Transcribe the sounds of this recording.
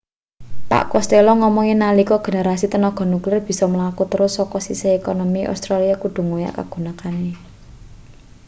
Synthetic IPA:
pa̰ʔkɔst̪elɔŋɔmɔŋenalikɔɡ̥e̤neɾasit̪ənɔɡ̥ɔ̤nuklɪrb̥i̤sɔməlakut̪əɾʊsːɔkɔsiseekɔnɔmiʔa̰st̪ɾaliakuɖ̪̥ṳŋoja̰ʔka̰ɡ̥ṳnakane

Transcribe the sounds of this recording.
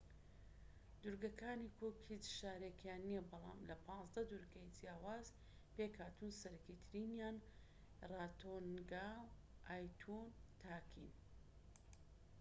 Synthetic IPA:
d̪uɾɡɐkaːnikʰokhit͡ʃʃaːɾekjaːnːiɛbɑlˠa̰ːmlɐpʰɑ̃ːnzd̪ɐd̪uɾɡɐjd͡zijaːwaːz | pekhaːt̪ʰunsɐɾɐkit̪ʰɾiːnjaːn | raːt̪ʰonɡawʔaːjt̪ʰunt̪ʰaːkʰḭn

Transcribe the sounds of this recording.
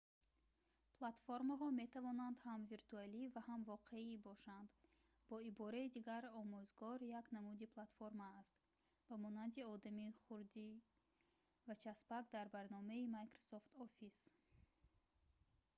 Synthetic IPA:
pʰlat̪foɾmaɦɔme̞t̪ʰavɔnand̪hamviɾt̪ʰualivahamvɔqʰe̞ibɔʃand̪ | bɔibɔɾaid̪iɡaɾɔmuzɡɔɾjaknamud̪ipʰlˠat̪foɾmaːst̪ | b̥amɔnand̪iɔd̪amiχuɾd̪i | vat͡ʃʰasbakd̪aɾbaɾnɔmaimajkɾosɔft̪ɔfis

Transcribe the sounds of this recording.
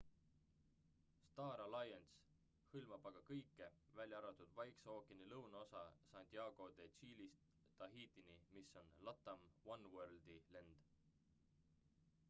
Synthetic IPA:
st̪ɑːɾɑlɑjens | hɯlmɑb̥ɑɡ̥ɑkɤjkːe̞vælʲjɑɑɾɑt̪ˑud̪̥vɑjkseoːkːˑenilɤwnɑo̞sɑsɑnt̪ʲiɑːɡ̥o̞d̪̥e̞t͡ʃiːlist̪ | t̪ɑɦiːt̪inimiso̞nlɑt̪ːˑɑmwɑnwørld̪ilend̪̥

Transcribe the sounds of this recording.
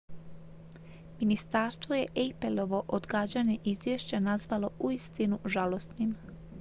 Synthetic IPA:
minist̪aːɾst̪ʋoje̞ʔepelo̞ʋo̞ʔod̪ɡaːd͡ʑaɲe̞ʔizjeʃt͡ɕanazʋalo̞uist̪inuʒalo̞st̪nim

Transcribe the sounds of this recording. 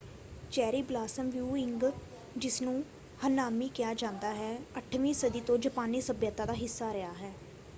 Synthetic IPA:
t͡ʃɛːɾiːblaːsəmʋjuːɪŋɡ | d͡ʒɪsnũː | hənːaːmiːkɪjaːd͡ʒãːnd̪aːɦɛːəʈʰʋĩːsəd̪iːt̪õːd͡ʒəpaːniːsəbjət̪ːaːd̪aːɦɪsːaːɾɪjaːɦɛː

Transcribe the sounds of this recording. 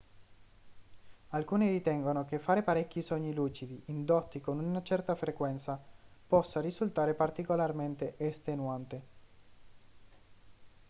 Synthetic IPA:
alkuːnirit̪ɛŋɡonokefːaːɾepaɾɛkʲːisɔɲːiluːt͡ʃid̪iʔind̪ɔt̪ːikonunat͡ʃɛrt̪afɾekwɛnt̪sapɔsːarizult̪aːɾepart̪ikolarment̪eʔest̪enwant̪e

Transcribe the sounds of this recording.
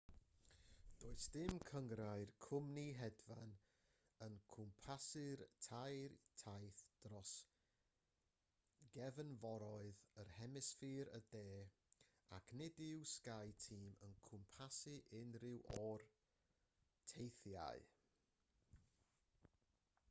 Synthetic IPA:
d̥oːɨsd̥ɪmkʰəŋɾaɨrkʰʊmniɦɛdvan | ənkʰʊmpʰasɨrtʰajrtʰajθd̥rɔs | ɡɛvənvɔɾɔɨðərhɛmɪsfiːɾədeː | a̰kʰnɪdɪwskajtʰiːmənkʰʊmpʰasɨʔɪnrɪwʔɔr | tʰejθja̰ɨ

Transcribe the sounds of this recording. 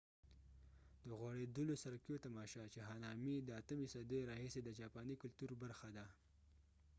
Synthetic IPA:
d̪əɣwaɽed̪əlosaɾkjot̪amɑʃɑt͡ʃeɦɑnɑmid̪əat̪əmisad̪əjɾɑhised̪ət͡ʃɑpɑnikʊlt̪uɾbaɾxad̪a

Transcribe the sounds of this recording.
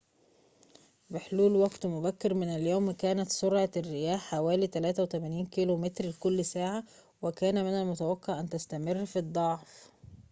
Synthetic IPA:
bɪħluːlwæɡt̪mʊbækːɪɾmɪnæljoːmkæːnæt̪soɾʕɑrːɪjæːħːawæːlit̪ælæːt̪æwet̪æmæniːnkilomet̪ɾlkʊlːsaːʕa | wɪkæːnæmɪnælmʊt̪æwækːɑʕʔænt̪æst̪æmɪrːfid̪ˤːɑʕf

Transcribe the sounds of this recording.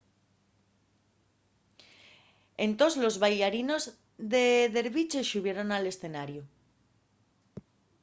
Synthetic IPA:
e̞nt̪o̞zlo̞zβajʎaɾino̞z | ðe̞ðe̞ɾβit͡ʃe̞ʃuβ̞je̞ɾo̞nale̞sθe̞naɾju

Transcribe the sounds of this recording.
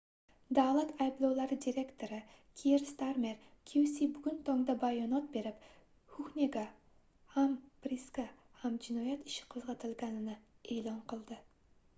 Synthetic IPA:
d̪alˠat̪ʰɑjblˠowlˠɑɾɨd̪iɾekt̪ʰoɾɨkʲʰiɾst̪aɾmeɾ | kʲʰusibʊɡʲynt̪ʰɑŋd̪ɑbɑjɒnɑt̪̚beɾɪp | hukneɡɑ | hampɾiska | hæmd͡ʒɪnɒjɛt̪i̥ʃɪ̥qʰozʁɑt̪ʰɪlˠɡʲɑnɪnɪeːlˠɑnqʰəlˠd̪ɪ

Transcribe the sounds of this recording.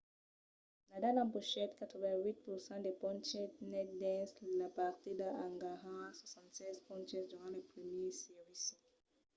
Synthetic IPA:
nadalãbuʃɛtkatʰɔbɛwit̚pusãdepɔ̃nt͡ʃɛtnɛt̚dɛ̃slapaʁtidaãŋɡaʁãswasɑ̃ntsɛzpɔ̃nt͡ʃɛsdyʁɑ̃lepʁɛmjɛsiʁisi

